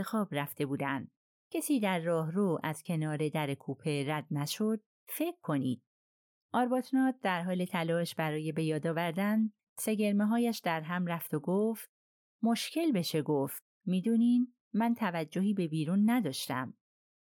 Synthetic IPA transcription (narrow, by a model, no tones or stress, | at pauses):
exɒːbɾæft̪e̞buːd̪ænd̪ | cʰesiːd̪æɾːɒːɦroːʔæz̥cʰe̞nɒːɾe̞d̪æɾe̞kʰuːpʰe̞ɾæd̪̚næʃo̞d̪̥̚ | fe̞kʰːo̞nḭːd̪̥̚ | ʔɒːɾbɒt̪ʰnɒːt̪̚d̪æɾɦɒːle̞t̪ʰælɒːʃbæɾɒːje̞be̞jɒːd̪ɒːvæɾd̪æn | se̞ɟe̞ɾmeɦɒːjæʃd̪æɾɦæmræft̪oɡoːft̪̚ | mo̞ʃcʰe̞lbe̞ʃe̞ɡo̞ft̪̚miːd̪uːniːd | mænt̪ʰævæd͡ʒːo̞ɦiːbe̞biːɾuːnːæd̪ɒːʃt̪æ̰m